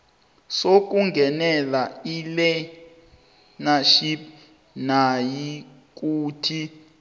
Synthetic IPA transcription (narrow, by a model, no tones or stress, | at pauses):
sok̬ʼuŋɡʱɛnɛlailɛ | naʃip | naji | k̬uːtʰi